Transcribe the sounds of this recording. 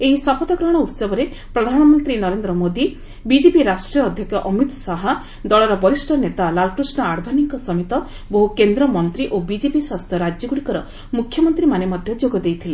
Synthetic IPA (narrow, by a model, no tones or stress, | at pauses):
eɦisɔpɔt̪ɔɡɾɔɦɽ̃ɔut̪sɔbɔɾe | pɾɔd̪ʱanɔmɔnt̪ɾinɔɾend̪ɾɔmod̪i | bid͡ʒepiɾasʈɾijɔːd̪ʱjɔkjɔʔɔmit̪saɦɔ | d̪ɔɭɔɾɔbɔisʈʰɔnet̪alalkɾisnɔaɽbʱaniŋkɔsɔmit̪ɔ | boɦukend̪ɾɔmɔnt̪ɾiʔobid͡ʒepiswast̪ʰjɔɾad͡ʒjɔɡuɽikɔɾɔ | mukʰːjɔmɔnt̪ɾimanemɔd̪ʱjɔd͡ʒoɡɔd̪ejt̪ʰile